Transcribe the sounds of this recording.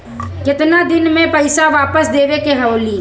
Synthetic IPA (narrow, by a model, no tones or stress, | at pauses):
kɪt̪nad̪ɪnmẽpɐɪsaʋaːpəsd̪eːʋekeɦɐoːliː